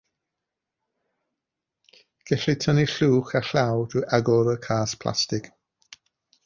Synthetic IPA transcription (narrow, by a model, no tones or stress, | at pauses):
ɡ̥ɛɬɪtʰəniɬuːχaɬawduʔaɡɔɾəkʰaːspʰl̥ˠa̰stɪk